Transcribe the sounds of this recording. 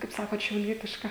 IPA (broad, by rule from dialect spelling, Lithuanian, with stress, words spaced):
kɐɪp ˈsɑːkoːt ʃʲɛʊˈlʲiɛtʲɪʃkɐ